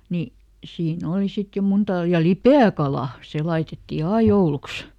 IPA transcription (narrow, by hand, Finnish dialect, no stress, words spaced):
ni siːn oˑli sit jo muntɑl jɑ lipeækɑlɑˑ se lɑitetːi ɑi jouluks